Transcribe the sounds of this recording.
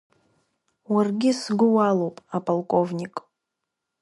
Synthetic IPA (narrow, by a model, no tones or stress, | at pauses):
warɡʲɪsɡʷʊwalowpʼapʼalˠkʼo̞vnʲikʼ